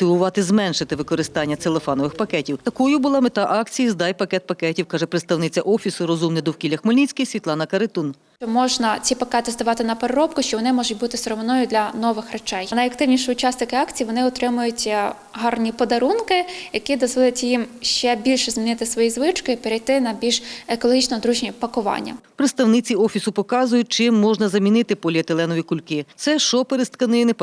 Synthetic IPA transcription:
ɔt̪ɪʋʊʋɑt̪ɪzmɛnʃɪt̪ɪʋɪkɔɾɪst̪ɑnʲːɐelˠefanɔʋɪxpɐkɛtʲiwt̪ɐkɔjʊbʊlˠɑmet̪ɑʔɑkt͡sʲijizd̪ɑjpɐkɛt̪̚pɐkɛtʲiwkɑʒɛpɾɪt̪st̪ɐwnɪt͡sʲɐʔɔfʲisʊɾɔzumnɪd̪ɔwkʲilʲɐxmɔlʲnʲit͡sʲsʲkɐjsʲʋʲit̪lˠɑnɐkɐɾɪt̪un | t͡ʃɔmɔʒnɐt͡sʲipɐkɛt̪ɪzd̪ɐʋɑt̪ɪnɐpeɾeɾɔp̚kʊʃt͡ʃɔʋɔnɪmɔʒʊt̚ʲbut̪ɪsɾɔmnɔjʊd̪lʲɐnɔʋɪxret͡ʃɛjnɐjɐkt̪ɪwnʲiʃɪʊt͡ʃɑsnɪkɪɑkt͡sʲijiʋɔnɪɔt̪ɾɪmʊjʊtʲ | ɦɑrnʲipɔd̪ɐɾunkɪjɐkid̪ɔzʋɔlʲˠɐtʲjimʃt͡ʃɛbʲilʲʃɛzmʲinɪt̪ɪsʋɔjizʋɪt͡ʃkɪipeɾʲijt̪ɪnɐbʲilʲʒekɔlˠɔɦʲit͡ʃnɔɦɔd̪ɾuʒnʲipɐkʊʋɑ̰nʲːɐ̰pɾɪt̪st̪ɐwnɪt͡sʲiɔfʲisʊpɔkɑzʊjʊt̚ʲt͡ʃɪmːɔʒnɐzɐmʲinɪt̪ɪpɔlʲiɐt̪elˠɛnɔʋʲikʊlʲkɪt̪sɛʃɔpeɾɪst̪kɐnɪjnɪp

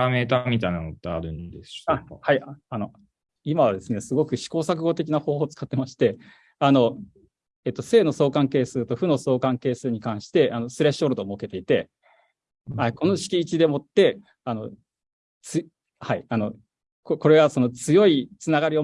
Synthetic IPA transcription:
ameːt̪amʲit̪ainanot̪ːeaɾɯ̟̃nd̪esahaiano | imaβad̪e̞sɨne̞sɨɡo̞kɯ̟ɕi̥ko̞ːsak̬ɯ̟ɡo̞t̪e̞kʲinahoːhoːt͡sɨ̥kat̪ːe̞maɕi̥t̪e̞ | ano̞ | eːt̪ːo̞se̞ːno̞so̞ːkãŋke̞ːsɨːt̪o̞ɸɯ̟no̞so̞ːkãŋke̞ːsɨːɲ̟ikãɰ̃ɕi̥t̪e̞ʔano̞sɨɾeɕo̞ɾɯd̪o̞mo̞ke̞t̪e̞it̪e̞ | aiko̞no̞ɕi̥kʲiːt͡ɕid̪e̞mo̞t̪ːe̞ | ano̞ | t͡sɨ | haiano̞ | koko̞ɾe̞ɡaso̞no̞t͡sɨjo̞it͡sɨnaɡaɾʲio̞

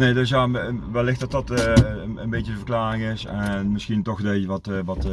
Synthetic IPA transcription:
neːdøsjaːʋɛlːɪxtdɑt̚dɑtəənbejtjədəvərklaːrɪŋɪsɛnmɪsxintɔxdeːəʋɑtʋɑt

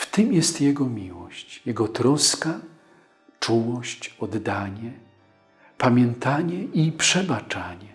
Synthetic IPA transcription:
ft̪ɘmjɛst̪jɛɡɔmʲiwɔɕt͡ɕjɛɡɔt̪ɾɔska | t͡ʂuwɔɕt͡ɕɔd̪ːaɲɛ | pamʲjɛnt̪aɲɛʔipʂɛbat͡ʂaɲɛ

